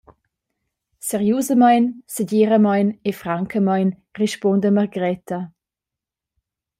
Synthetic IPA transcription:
sɛɾjuːzəmajnsəɟiːɾəmajnefɾaŋkʰəmajn | reʃpɔndəməʁɡɾɛtɐ

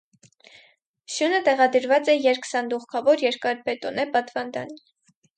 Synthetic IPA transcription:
ʃjunət̪ɛʁɑd̪əɾvɑt͡sɛjɛɾkʰsɑnd̪uχkʰɑvɔɾjɛɾkɑɾbɛt̪ɔnɛpɑt̪vɑnd̪ɑ̰ni

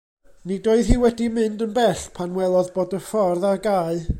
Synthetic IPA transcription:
nidoːɨðhiːwɛdimɨndənbɛɬpʰanwɛlˠɔðboːdəfɔrðaɡaɨ

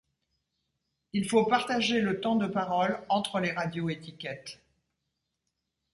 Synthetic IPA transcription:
ilfopaʁt̪aʒelət̪ɑ̃d̪əpaʁɔlɑ̃t̪χəleʁad̪joet̪ikʲɛt̪

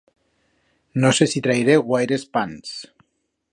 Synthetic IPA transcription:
nosesit̪ɾajɾeɣwajɾespans

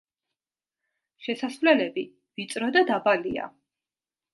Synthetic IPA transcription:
ʃɛsasvlɛlɛbi | vit̪sʼɾɔd̪ad̪abalia̰

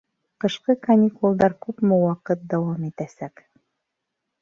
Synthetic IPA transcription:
qɤ̆ʃqɤkɐnʲikulˠd̪ɑɾkʉpmɘwɑqɤt̪̚d̪ɑwɑmit̪æsæk

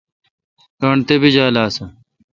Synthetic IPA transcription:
kɐɳt̪ebid͡ʑaːlaːsɐ

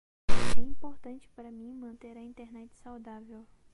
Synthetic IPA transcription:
ɛ̃ĩpoɾt̪ɐ̃nt͡ʃɪ̥paɾɐmĩmɐ̃nt̪eɾɐĩnt̪eɾnɛt͡ʃɪ̥sawd̪avew

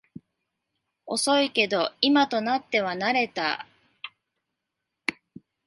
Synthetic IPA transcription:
o̞so̞ike̞d̪o̞imat̪o̞nat̪ːe̞β̞anaɾe̞t̪a̰

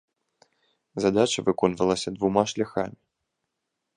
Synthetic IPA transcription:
zad̪at͡ʃɐvɨkɔnvɐlˠɐsʲɐd̪vumaʂlʲaxamʲi

